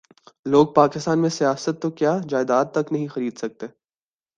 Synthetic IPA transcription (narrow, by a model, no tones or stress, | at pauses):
loːɡ̚paːkɪst̪aːnmẽsijaːsət̪ːokjaːd͡ʒaːɪd̪aːt̪ːɐknɐɦĩxɐɾiːd̪sɐk̚t̪eː